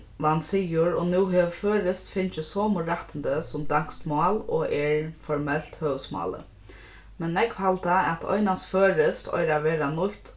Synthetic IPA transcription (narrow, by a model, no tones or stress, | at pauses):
ʋansiːjʊɹɔnʉːɦɛːʋføːɾɪst̪fɪnt͡ʃɪsɔːmʊɾaht̪ənd̪əsʊmd̪aŋ̥st̪mɑːlɔ̰ʔɛɹfɔɹmɛl̥t̪høːʋsmɑ̰ːlə̰ | mɛnːɛkhalt̪aɛt̪ʰɔ̰ɪnasføːɾɪst̪ʰɔ̰jɾaʋɛːɾanʊht̪